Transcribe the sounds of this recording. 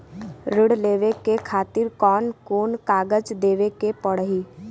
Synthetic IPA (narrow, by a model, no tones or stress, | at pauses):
ɾɪɽleːʋekekʰaːt̪ɪɾkɔːnkoːnkaːɡəd͡ʒd̪eːʋekepəɽɦiː